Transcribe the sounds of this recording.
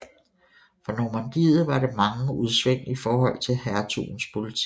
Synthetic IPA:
fɒ̽nomænd̥ḭːð̩ˠʋɑ̈ɾemɑ̈ŋəuð̞ˠsʋeŋ̰ifɒːhɒ̽l̰t͡sʰe̝lhæɐt͡sʰṵːn̩spʰo̝lit͡sʰi

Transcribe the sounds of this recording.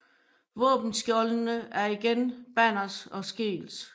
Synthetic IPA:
ʋɔ̰̽ːb̥n̩sɡ̥jɒlnəæɐiɡ̥enb̥æn̰ɐsɒ̽sɡ̥e̝̰ːls

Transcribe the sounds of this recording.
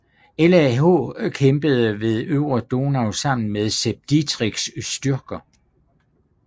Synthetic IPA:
elæɦo̰kʰemb̥əð̞̩ˠəʋe̝ðˠøʊʁod̥o̝næʊsɑ̈m̰n̩meðˠseb̥̚d̥id̥ʰʁiɡ̥ssd̥yɐɡ̥ɐ

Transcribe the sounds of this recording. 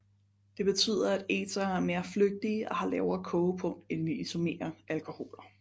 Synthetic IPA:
d̥e̝b̥e̝t͡sʰy̰ð̞ˠɐæd̥ḛːsɐæɐme̝ːɐfløɡ̥̚d̥iːʔɒ̽hɑ̈lɛʊɐkʰɔʊpʰɔ̽ŋ̰̥enʋiisome̝̰ːɐʔælkʰo̝ho̝̰ːlɐ

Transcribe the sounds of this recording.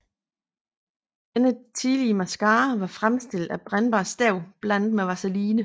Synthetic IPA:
d̥enət͡sʰiðˠliəmæsɡ̥ɑ̈ːʋɑ̈fʁamsd̥e̝ld̥æb̥ʁanb̥ɑ̈ːsd̥ɛʊ̰b̥læn̰d̥meʋɑ̈sæliːnə

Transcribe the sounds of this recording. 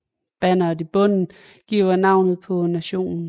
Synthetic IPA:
b̥ænɐdˠib̥ɔ̽n̰n̩ | ɡ̥iʊɐnɑ̈ʊ̰nð̞̩ˠpʰɒ̽næɕo̝̰ːnn̩

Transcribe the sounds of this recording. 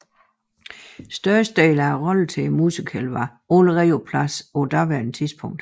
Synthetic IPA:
sd̥ɶɐsd̥ḛːlæʁɒl̩t͡sʰe̝musikʰælʋɑ̈ | oləʁiːopʰlæsɔd̥ɑ̈ʋeɐnt͡sʰisb̥ʰɔ̽ŋ̰d̥

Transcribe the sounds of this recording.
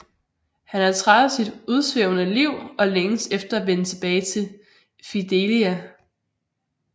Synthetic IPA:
hænhæt͡sʰʁad̥ð̩ˠsid̥uð̞ˠsʋeʊnəliʊ̰ɒ̽leŋəsefd̥ɐæʋenət͡sʰe̝b̥ɛːɪt͡sʰe̝l | fid̥eliæ

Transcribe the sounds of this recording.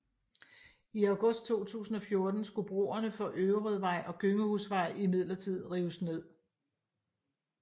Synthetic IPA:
iɑʊɡ̥ɔ̽sd̥̚t͡sʰo̝̰ːt͡sʰṵːsn̩ɒ̽fjo̝ɐd̥n̩sɡ̥ub̥ʁo̝̰ːɐnəfɒ̽ʔøʊʁið̩ˠʋɑ̈ɪ̰ʔɒ̽ɡ̥øŋəhusʋɑ̈ɪ̰imið̞̰ˠlɐt͡sʰið̞̰ˠʁiːʊəsne̝ð̰ˠ

